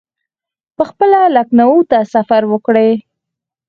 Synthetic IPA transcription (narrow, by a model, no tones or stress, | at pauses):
pəxpəlalaknawut̪asafaɾwəkɽe